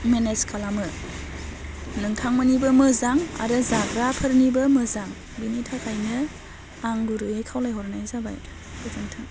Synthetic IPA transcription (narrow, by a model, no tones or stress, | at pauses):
meneskʰalamɯ | nɯŋtʰaŋmɯnibɐmɯzaŋa̰ɾɯzaɡɾapʰɯɾnibɐmɯzaŋ | binitʰakʰajnɯ | aŋɡuɾɯekʰawlajɦɔɾnajzaba̰j | b̥ɯzɯŋtʰaŋ